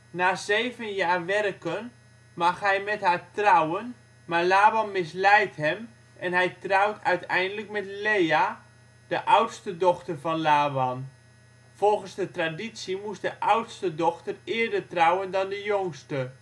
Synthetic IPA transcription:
naːzejvənjaːrʋɛrkən | mɑχɦɛjmɛtɦaːɹtrawən | maːɹlaːbɑnmɪs̬lɛjtɦɛm | ʔɛnɦɛjtrɑwtʰœɥtɛjndələkmɛtleja | dəʔawtstədɔχtərvɑnlaːʋɑn | v̥ɔlˠχənzdətraditsimustdəʔawtstədɔχtərɪːɹdəɹtrawəndɑndəjoŋstə

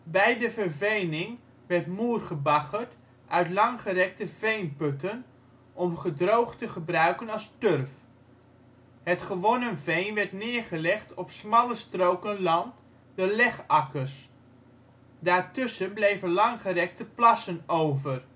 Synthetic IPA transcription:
bɛjdəvəɹvejnɪŋ | ʋɛɹtmuːrχəbɑχəɹt | ʔœɥtlɑŋχərɛk̚təvejnpɵtən | ɔmχədrowχtəχəbrœɥkənɑlˠstørf | ɦətχəʋonənvejnʋɛɹtnɪːɹχəlɛχtɔpsmɑləstrowkənlɑnt | dəlɛχɑkərs | daːɹtʏsənblejvənlɑŋχərɛk̚təplɑsənowvər

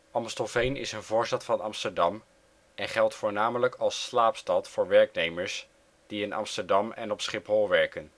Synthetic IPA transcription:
ɑmstɔlˠvejnɪ̰sənvʊːɹstɑtfɑnɑmstəɹdɑm | ʔɛnχɛlˠtfʊːɹnaːmələkʰɑlˠsːlaːpstɑtfʊːɹʋɛɹknejməɹs | d̥iɪnɑ̰mstəɹdɑmɛ̰nɔpsχɪpɦɔlˠʋɛɹkən

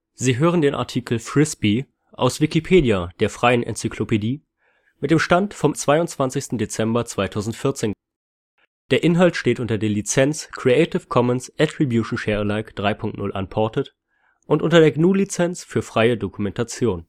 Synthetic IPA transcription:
ziːɦøːʁ̞əndeːnʔa̰ɐtʰiːkl̩fʁ̥ɪspi | ʔa̰ʊsv̥ikipʰeːdiad̥eːɐfʁ̥aɪənʔɛ̰nt͡sikʰlopediː | mɪt̚d̥eːmʃtantfɔmt͡sv̥aɪʊntt͡sv̥ant͡sɪçstn̩det͡sɛmbɐt͡sv̥aɪtʰaʊzn̩tfɪɐt͡seːn | d̥eːɐʔɪnɦaltʃteːtʔʊntɐdeːɐlit͡sɛnt͡skʁ̥iɛɪtɪfkʰɔmənsʔɛtʁ̥ibjuʃn̩ʃɛlaɪkd̥ʁaɪpʰʊŋk̚tnʊlʔa̰npʰɔɐtət | ʔʊntʔʊntɐdeːɐɡnuːlit͡sɛnt͡sfyːɐfʁ̥aɪədokumɛntat͡sjoːn

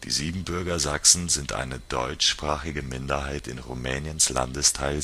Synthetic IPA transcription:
d̥ḭːziːbm̩bʏɐɡɐzaksn̩zɪntʔa̰ɪnəd̥ɔ̰ʏt͡ʃʃpʁ̥aːχɪɡəmɪndɐɦaɪtɪnʁumɛːnjənsla̰ndəstʰaɪl

